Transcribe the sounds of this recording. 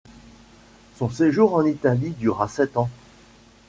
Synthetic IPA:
sɔ̃seʒuʁɑ̃nit̪alid̪yʁasɛt̪ɑ̃

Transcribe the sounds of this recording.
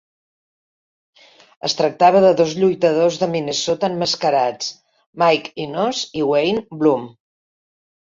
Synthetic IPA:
ə̰st̪ɾək̚t̪aβəðəðɔzʎujt̪əð̞ozðəminəsot̪əmːəskəɾat͡s | majkinoziwejnblum

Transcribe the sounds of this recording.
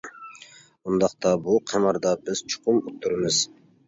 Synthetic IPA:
und̪ɑqt̪ɑbuqʰɑmɑɾd̪ɑbɪz̥t͡ʃʰʊ̥qʊmut̪ʰːuɾɪmɪz̥

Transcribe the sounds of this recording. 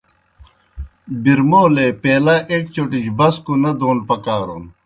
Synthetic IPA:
biɾmoːlepeːlaʔeːkt͡ɕoʈiɕbɐskunɐd̪oːnpɐkaːɾoːn

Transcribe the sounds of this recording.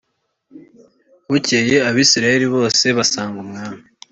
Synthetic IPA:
wuce̞je̞aβiːsiɾaje̞ɾiβo̞ːse̞βasaːŋɡumŋaːmi

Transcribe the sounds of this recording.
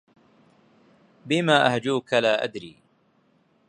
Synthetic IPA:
bɪmaːʔahd͡ʒuːkalaːʔa̰d̪ɾiː

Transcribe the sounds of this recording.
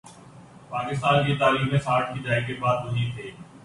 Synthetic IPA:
paːkɪst̪aːnkit̪aːɾiːkmẽːsaːɾʈkid͡ʒaːek̬ebaːd̪̚ʋʊɦĩt̪ʰeː

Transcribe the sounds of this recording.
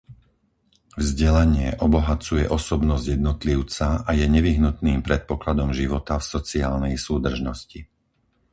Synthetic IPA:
vzɟɛlaɲɪɛʔɔbɔɦat͡sujɛʔɔsɔbnɔzɟjɛd̪nɔt̪liʊt͡saajɛɲɛʋiɦnut̪niːmpɾɛt̪̚pɔklad̪ɔmʒiʋɔt̪afsɔt͡siaːlnɛjsuːd̪r̩ʒnɔsci

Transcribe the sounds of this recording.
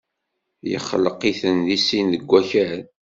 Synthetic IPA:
jə̰χːələqːiθənðisinðəɡʷːæçæɾɾ

